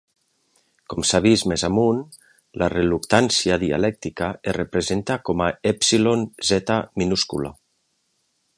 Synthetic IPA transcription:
kɔmsaβ̞izmezamun | lʔa̰relukt̪ansiaðia̰lɛk̚t̪ikaerepɾezent̪akɔmaɛpsilonzɛt̪aminuskula̰

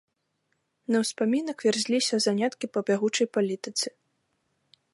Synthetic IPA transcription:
nɐwspamʲinɐkvʲɛrzʲlʲisʲɐzanʲat̪kʲipɐbʲaɣut͡ʂɐjpalʲit̪ɨt̪sɨ̥

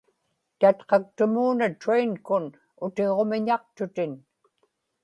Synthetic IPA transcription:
t̪at̪qɑk̚t̪ʊmuːnat̪ɾejnkʊn | ʊt̪e̞ʁo̞mɪɲɑq̚t̪ʊt̪ɪn

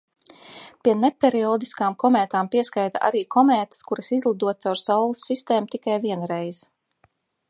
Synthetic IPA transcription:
piɛnepeɾiɔːd̪iskaːmkɔmɛːt̪aːmpiɛskajt̪aʔa̰ɾiːkʰɔmɛːt̪skuɾɐsizlˠid̪uɔt̪̚sawɾsawlˠisːist̪eːmut̪ikajviɛnɾejz

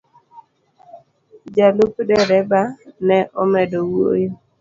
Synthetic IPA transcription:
d͡ʒalukdɛɾɛbanɛʔɔmɛdowo̰jo

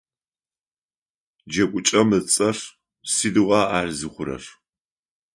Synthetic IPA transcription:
d͡ʒɐkʷʼʊt͡ʃʼɐmɨt͡sʼɐr | siːdɨʁɑːaːrzɨχʷʊɾɐ̰r

